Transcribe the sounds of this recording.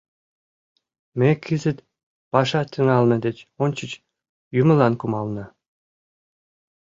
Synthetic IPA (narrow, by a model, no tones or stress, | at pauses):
mʲekʰːizʲɘ̆t̪ʲ | pɑʂɑt̪ʰʲːiŋɑlˠnɤ̆d̪et͡ɕonʲt͡ɕə̆t͡ɕ | jumɤ̆lɑnkumɑlˠnɤ̆